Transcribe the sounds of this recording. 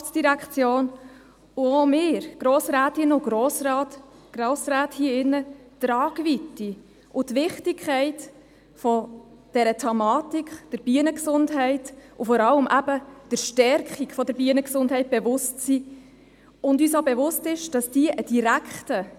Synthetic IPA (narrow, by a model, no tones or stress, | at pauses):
ftsd̥iɾækχt͡sjoːn | ʊomɪːɾɡ̥ɾoːsɾæːtɪnʊɡɾosɾɑt | ɡ̥ɾoːsɾæːthiːəɪnːətɾɑːɡ̥ʋiti | ʔʊtʋɪχtɪkʰχɛɪt | fɔ | d̥ɛɾətʰɛmɑːtikχd̥əɾb̥iənəksʊndɦɛɪtʊfɔɾɑləmʔæb̥əd̥əɾʃtɛɾkχikfɔdəɾbiənəksʊndɦɛɪt̚b̥evʊstsi | ʊndysobevʊstɪʃd̥ɑsd̥iəʔəd̥iɾækχtə